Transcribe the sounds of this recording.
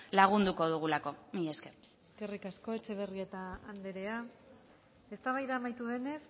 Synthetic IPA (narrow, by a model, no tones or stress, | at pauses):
laɣ̞und̪uko̞ðuɣ̞ulako̞miʎeskeɾ | eske̞rikasko̞e̞t͡ʃe̞β̞e̞rie̞t̪aːnd̪e̞ɾe̞a | e̞st̪aβajðaːmajt̪uðe̞ne̞s